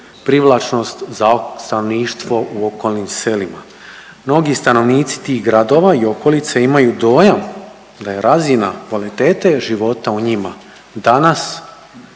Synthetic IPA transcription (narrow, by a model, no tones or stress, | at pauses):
pɾiʋlˠat͡ʃno̞st̪zast̪anoʋniːʃt̪ʋo̞ʔuo̞ko̞lˠnimse̞lima | mno̞ɡist̪ano̞ʋniːt̪si̥t̪iɣɡɾad̪o̞ʋaio̞ko̞lit̪seimajud̪o̞ːjam | d̪aje̞ɾazinakʋalit̪e̞ːt̪e̞ʒiʋo̞t̪auɲima | d̪anas